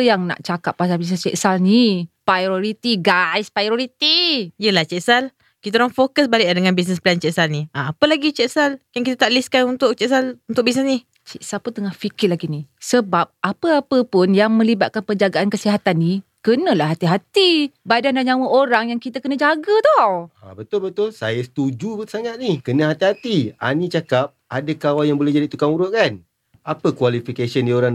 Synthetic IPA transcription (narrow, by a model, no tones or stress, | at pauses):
jaŋna̰ʔt͡ʃakapːas̬albis̬nəst͡ʃɛʔsalnipɾajɾoɾit̪iɡajspɾajɾoɾit̪iiəlaht͡ʃɛʔsal | kit̪aɾaŋfokəs̬balɪʔladəŋanbis̬nəsplant͡ʃɛʔsalniaapəlaɡit͡ʃɛʔsaljaŋkit̪at̪aʔliskanunt̪ʊʔ̚t͡ʃɛʔsalunt̪ʊʔkbis̬nəsni | t͡ʃɛʔsalpʊnt̪əŋahfikɪrlaɡinisəbap̚ʔapəapəpʊnjaŋmə̃libaʔ̪̚kanpənd͡ʒaɡaʔankəsiɦat̪anːikənə̃lahɦat̪iɦat̪ibadandaɲãwəʔoɾaŋjaŋkit̪akənə̃d͡ʒaɡət̪ɔha̰bət̪ʊlbət̪ʊlsajəsə̥t̪ud͡ʒubəsaŋat̪̚nihkənə̃ɦat̪iɦat̪ia̰nĩt͡ʃakap̚adakawajaŋbolɛhd͡ʒadit̪ukaŋuɾʊʔ̚kan | apəkwalifikasəndioɾaŋ